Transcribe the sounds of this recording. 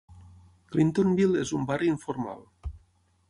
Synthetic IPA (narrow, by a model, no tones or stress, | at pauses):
klint̪onbilezumbariiɱfoɾma̰l